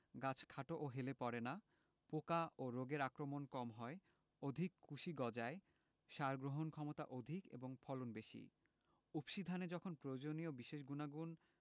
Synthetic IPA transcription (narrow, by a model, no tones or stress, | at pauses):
ɡat͡ɕʰkʰaʈoʔoɦelepɔɾena | pokaʔoɾoɡeɾakɾomonkɔmɦɔe | od̪ʱikːʰuʃiɡɔd͡ʑae | ʃaɾɡɾoɦonkʰɔmot̪a̰ʔod̪ʱikḛboŋpʰɔlonbeʃḭ | upʃid̪ʱaned͡ʑɔkʰonpɾood͡ʑoniobiʃeʃɡunaɡun